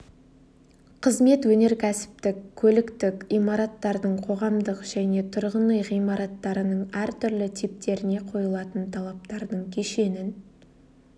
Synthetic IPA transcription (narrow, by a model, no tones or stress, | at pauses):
qʰəzme̞t̪wɵne̞ɾkʲʰæsɪ̥p̚t̪ɪkkʲʰːɵlɪkt̪ɪkʲijmɑɾɑt̪ːɑɾd̪əɴqʰo̞ʁɑmd̪əqʒ̥æne̞t̪ʰʊɾʁənəjʁijmɑɾɑt̪ːɑɾənəɴæɾt̪ʰʏɾlɪt̪ʰip̚t̪e̞ɾɪne̞qʰo̞jəlˠɑt̪ənt̪ʰɑlˠɑp̚t̪ɑɾd̪əɴkʲʰeʃe̞nɪn